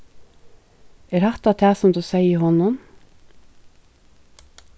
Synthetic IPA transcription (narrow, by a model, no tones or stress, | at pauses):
ɛːɾhɑt̪ɑt̪ʰæːsɔmd̪ʉːseɪəhɔnʊm